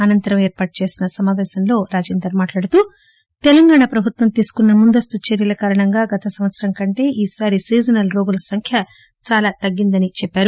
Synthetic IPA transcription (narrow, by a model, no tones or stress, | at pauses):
ɐnɐnt̪ɐɾɐme̞ːɾpaːʈ̚ut͡ʃe̞ːsinɐsɐmaːʋɛːsɐmlo̞ːɾaːd͡ʒeːnd̪ɾɐɾmaːʈlaːɽut̪uː | t̪ɛlɐŋɡaːɳapɾɐbʱut̪ʋɐmt̪iːsu̥kunːɐmund̪ɐst̪ut͡ʃeɾjɐlɐkaːɾɐɳɐŋɡaːɡɐt̪ɐsɐmʋɐt̪sɐɾɐŋkɐɳʈe̞ːʔiːsaːɾisiːd͡ʒɐnɐlɾo̞ːɡulɐsɐŋkʰjɐ | t͡ʃaːlaːt̪ɐɡːind̪ɐnit͡ʃɛpːaːɾu